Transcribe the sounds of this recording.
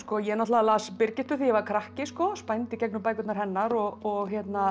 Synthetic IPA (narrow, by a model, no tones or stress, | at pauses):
skɔjɛɛɾnɔt̪laalaːspɪɾcɪht̪ʏθijɛvaɾkʰɾahcɪskɔspajnt̪ɪcɛknʏmpaːjkʏt̪naɾ̥hɛnːaɾɔɣɔɣçjɛt̪na